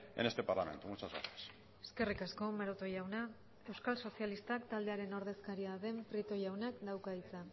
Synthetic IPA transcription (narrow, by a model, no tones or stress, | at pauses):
enest̪epaɾlament̪umut͡saza̰ɾt̪es | e̥ske̞rikasko̞meɾot̪o̞jawna | e̞wskalso̞sialist̪akt̪ald̪e̞aɾe̞no̞ɾðe̞skaɾiaðe̞mpɾit̪o̞jawnakd̪awkait͡sa